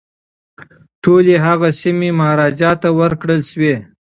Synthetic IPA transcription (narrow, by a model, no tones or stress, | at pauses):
ʈʰoleɦaɣasimemaɾɑd͡ʒɑt̪awəɾkɽəlʃwe